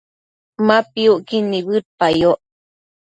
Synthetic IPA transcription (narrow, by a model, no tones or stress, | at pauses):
mapiuʔkinːiβɨɾ̚pajoʔ